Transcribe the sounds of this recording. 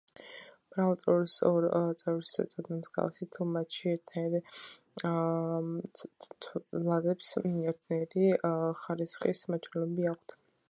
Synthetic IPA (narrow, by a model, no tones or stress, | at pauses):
b̥ɾalˠt̪sʼɛɾisʼɔɾt̪sʼɛvisʰʼɛ̰t̪sʼɔd̪namzɡa̰lsit̪ʰumat̪ʃiɛɾt̪ʰaɾ | lˠad̪ɛpsɛɾt̪ʰnaɛɾiχaɾisχismat͡ʃ̪ʰɛlɛbiak̚ʷʰt̪ʰ